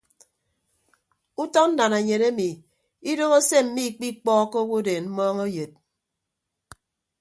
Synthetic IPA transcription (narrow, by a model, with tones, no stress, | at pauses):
u˦tɔ˦n̩˦da˨ne˨ɲe˨ɾe˦mi˨ | i˦do˦ɣo˦se˦m̩˨mi˦˨k͡pi˦k͡pɔː˦ko˦wo˦de˨nm̩˦mɔː˦ŋo˦je˨t̚